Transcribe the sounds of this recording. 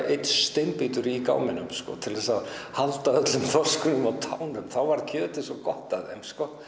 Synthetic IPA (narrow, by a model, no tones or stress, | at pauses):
ejt̪st̪ɪmpiːt̪ʏɾika̰ːwmɪnʏmskɔ̰t̪ʰɪlðɛsaðhalt̪aœt̪lʏmθɔskʏnʏmawt̪ʰawnʏmθawvaɾcʰœːt̪ɪsɔkɔht̪aðɛ̰nskɔ